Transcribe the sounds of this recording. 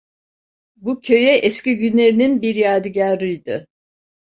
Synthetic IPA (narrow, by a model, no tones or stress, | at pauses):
bucʲʰø̞jɛʔɛsciɟynlʲe̞ɾininbiɾjaːd̪ɯɟaɾɯjd̪ɯ